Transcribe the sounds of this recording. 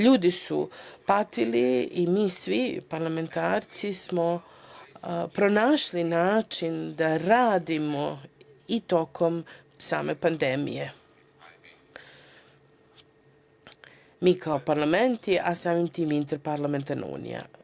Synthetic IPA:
ʎuːd̪isṵpat̪iliimiːsʋipaɾlame̞nt̪aːɾt̪sismo | pɾonaːʃlinaːt͡ʃind̪aɾaːd̪imo | it̪o̞kʰo̞m | sa̰ːme̞pand̪emḭje̞ | miːkʰaopaɾlˠament̪iʔasaːmimt̪iːmint̪eɾpaɾlˠame̞nt̪aɾnʔa̰ṵːnḭja̰

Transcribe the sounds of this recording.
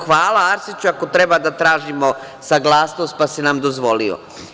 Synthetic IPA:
xʋaːlaaɾsit͡ʃuako̞t̪ɾe̞bad̪at̪ɾaːʒimo | saɡlˠaːsnost̪̚pasenamd̪ozʋo̞lio̰

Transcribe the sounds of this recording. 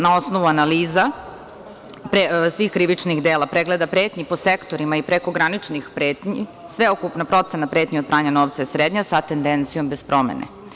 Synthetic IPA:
nao̞snoʋuanaliːza | pɾesʋiːxkɾiʋit͡ʂnixd̪eːlˠapɾeɡled̪apɾeːt̪ɲipo̞sekt̪o̞ɾimaipɾeko̞ɡɾanit͡ʂnixpɾeːt̪ɲi | sʋeokupnapɾo̞t̪senapɾe̞ːt̪ɲiopɾaːɲanoʋt̪saisɾeːd̪ɲasat̪end̪ent̪sijo̞mbe̞spɾo̞mḛnḛ

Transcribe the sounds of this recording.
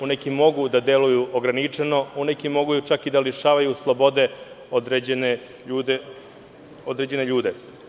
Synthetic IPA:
unekimo̞ɡud̪ad̪elujuoɡɾanit͡ʂeno̞unekimo̞ɡujut͡ʃakid̪aliʃaːʋajuslˠo̞bo̞d̪e̞ | od̪ɾeene | uːd̪ | od̪ɾed͡ʑe̞neʎuːd̪e

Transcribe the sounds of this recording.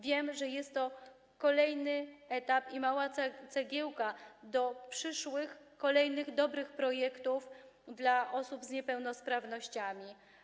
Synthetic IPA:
vʲjɛmʐɛjɛst̪ːɔ | kɔlɛjnɘɛt̪apimawat̪sɛɡʲɛwkad̪ɔpʂɘʂwɘxkɔlɛjnɘɣd̪ɔbɾɘxpɾɔjɛkt̪ufd̪laʔɔsubzɲɛpɛwn̪ɔspɾavnɔɕt͡ɕamʲi

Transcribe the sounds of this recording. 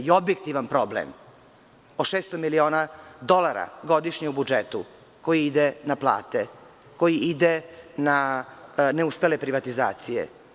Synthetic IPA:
io̞bjek̚t̪iʋanpɾo̞blḛm | oʃeːst̪omilio̞ːnad̪o̞lˠaɾa̰ɡo̞d̪iʃɲeubud͡ʒet̪u | ko̞jiid̪enaplˠa̰ːt̪e | ko̞jiid̪ena | ne̞uspelepɾiʋat̪iza̰ːt̪sijḛ

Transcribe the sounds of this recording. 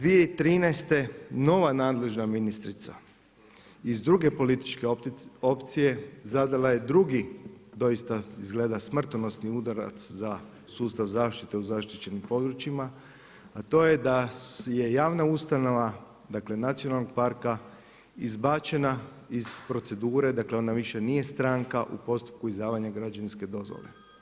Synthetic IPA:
d̪ʋije̞it̪ɾiːnɛjst̪e̞no̞ʋanaːd̪le̞ʒnaminist̪ɾit̪sa̰ | izd̪ɾuɡe̞po̞lit̪i̥t͡ʃke̞o̞pt̪sije̞zad̪alaje̞d̪ɾuɡid̪o̞jist̪aizɡle̞ːd̪asmr̩t̪ono̞sniud̪aɾa̰t̪sza | suːst̪aʋzaːʃt̪it̪e̞uzaʃt̪it͡ʃe̞nimpo̞d̪ɾut͡ʃima | at̪o̞ːje̞d̪aje̞jaːʋnaust̪ano̞ʋa | d̪akle̞nat̪sijonalno̞ɡ̚paɾka | izbaːt͡ʃe̞na | iz̥pɾo̞t̪se̞d̪uːɾe̞d̪akle̞o̞naʋiʃe̞nije̞st̪ɾaːŋkaʔṵpo̞st̪u̥p̚kuizd̪aːʋaɲaɡɾad͡ʒaninske̞d̪o̞zʋo̰le̞̰

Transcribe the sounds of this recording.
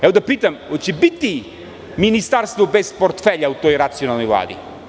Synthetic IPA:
ɛʋod̪apit̪amot͡ɕɛbit̪i | minist̪aɾst̪vobespoɾt̪feʎaut̪ojɾat̪sijonalˠnojvlˠa̰ːd̪ḭ

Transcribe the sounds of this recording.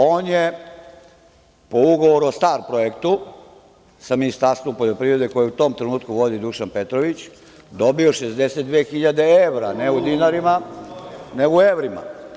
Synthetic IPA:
o̞ːnje | po̞uɡo̞ʋo̞ɾuost̪aːɾpɾojekt̪u | saminist̪aɾst̪ʋompoʎo̞pɾiʋɾe̞d̪e̞ko̞jeut̪o̞ːmt̪ɾenuːt̪kuʋo̞d̪id̪uʃanpet̪ɾoʋit͡ɕ | d̪o̞bio̞ʃezd̪ese̞t̪̚d̪ʋeːxiʎad̪e̞eʋɾaneud̪inaɾima | neɡueʋɾima̰

